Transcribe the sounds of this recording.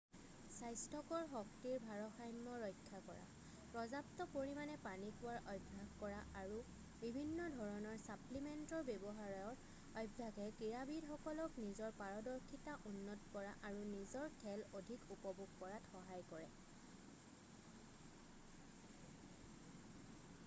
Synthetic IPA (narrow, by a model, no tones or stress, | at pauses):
sajstʰɔkɔɹxɔk̚tiɹbʱaɹɔxajmːɔɹɔjkʰːakɔɹa̰ | pɹɔzaptɔpoɹimanɛpanikuwaɹʔɔjbʱːaɡkɔɹaʔaɹu | bibʱinːɔdʱɔɹɔnɔɹsaplimɛntɔɹbebɔɦaɹɔɹ | ɔjbʱːaɡɛkiɹabidxɔkɔlɔknizɔɹpaɹɔdɔɹkʰitaʔunːɔtɔkɔɹaʔaɹunizɔɹtʰɛlodʱikupɔbʱuɡpɔɹatxɔɦajkɔɹɛ